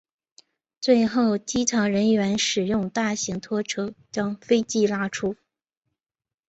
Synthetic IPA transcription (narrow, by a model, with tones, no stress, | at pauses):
t͡swe˥˧ɪxo˥˩ʊt͡ɕi˥ʈ͡ʂʰɑ˧˥ŋɻə˧˥nɥɛ˧˥nʂɻ̩˨˩jʊ˥˧ŋt̪a˥˩ɕi˧˥ŋt̪ʰwɔ˥ʈ͡ʂʰɤ˥t͡ɕjɑ˥ŋfe˥ɪt͡ɕi˥˩la˥ʈ͡ʂʰu˥